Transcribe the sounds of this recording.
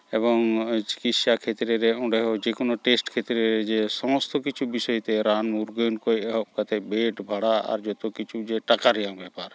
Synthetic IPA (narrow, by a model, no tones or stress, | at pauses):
ebɔŋt͡ʃi̥kit̪ʃakʰet̪ɾeɾɛɔ̃ɖɛɦɔd͡ʒekɔnɔʈesʈkʰet̪ɾeɾɛd͡ʒɛsɔmɔst̪ɔkit͡ʃʰubisɔjt̪ɛɾanmuɾɡɔjnkɔjɛɦɔʔ̚kat̪ʰɛbeʈbʱaɽaa̰ɾd͡ʒɔt̪ɔkit͡ʃʰud͡ʒeʈakaɾɛjaŋbɛpaɾ